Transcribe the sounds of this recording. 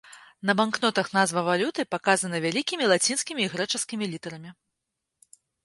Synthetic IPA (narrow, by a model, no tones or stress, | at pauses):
nɐbanknɔt̪ɐxnazvɐvalʲut̪ɨpakazɐnɐvʲalʲikʲimʲilˠat͡sʲinskʲimʲiːɣɾɛt͡ʂɐskʲimʲilʲit̪ɛɾɐmʲi